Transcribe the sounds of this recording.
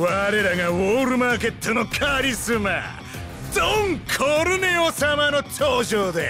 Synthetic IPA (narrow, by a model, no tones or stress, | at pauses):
βaɾe̞ɾaɡawoːɾɯ̟maːke̞t̪ʰːono̞kʰaɾʲisɨma̰ | dõŋkʰoɾɯneosamanot͡ɕoːʑoːd̪e